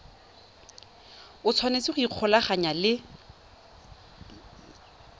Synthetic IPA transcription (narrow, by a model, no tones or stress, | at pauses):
ʊt͡sʰwanet͡siχʊiq͡χʰɔlaχaɲalɪ